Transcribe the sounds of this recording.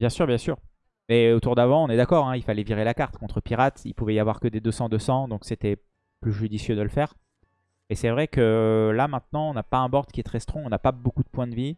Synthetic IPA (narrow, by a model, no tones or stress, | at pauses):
bjɛ̃syʁbjɛ̃syːʁ | mɛot̪uʁd̪avɑ̃ɔ̃nɛd̪akɔʁɛ̃ilfalɛviʁelakaʁt̪kɔ̃t̪χəpiʁat̪ḭlpuvɛjavwaʁkəd̪ed̪øsɑ̃d̪əsɑ̃d̪ɔ̃kset̪ɛ | plyʒyd̪isjød̪ələfɛːʁ | ɛsɛvʁɛkəlamɛ̃t̪̚nɑ̃ɔ̃napaɛ̃bɔʁd̪kʲiɛt̪χɛst̪χɔ̃ɔ̃napabokud̪əpwɛ̃d̪əvi